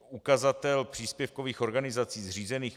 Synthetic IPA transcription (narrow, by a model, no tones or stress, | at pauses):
ukazat̪ɛlpr̥iːspjɛfko̞viːxo̞ɾɡanɪzat͡siːzriːzɛniːx